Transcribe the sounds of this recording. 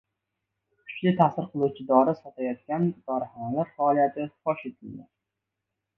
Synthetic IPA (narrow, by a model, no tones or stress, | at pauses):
kʰʊ̥ʃlɪt̪ʰasɪɾqʰɨlˠuwt͡ʃʰɪd̪ɒɾɪsɒt̪ʰajɒt̪̚kʲand̪̥ɒɾɪhanalaɾfaɒlˠijat̪ʰɪχɒʃe̞t̪ʰɪld̪ɪ